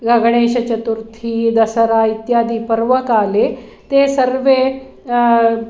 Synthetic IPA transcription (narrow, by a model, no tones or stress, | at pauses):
ɡɐɡɽ̃eɕɐt͡ɕət̪uɾt̪ʰiːd̪ɐsəɾait̪jaːd̪ʱiːpəɾʋəkaːle | t̪esəɾʋe